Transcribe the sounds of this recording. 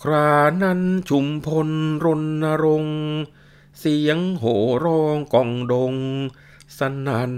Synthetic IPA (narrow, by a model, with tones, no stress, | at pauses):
kʰɾaː˧na˧˥nt͡ɕʰu˧mpʰo˧nɾo˧nːa˧ɾo˧ŋ | si˨˩˦əŋɦoː˩˦ɾɔː˧ŋkɔ˨˩ŋdo˧ŋ | sa˧na˧˦n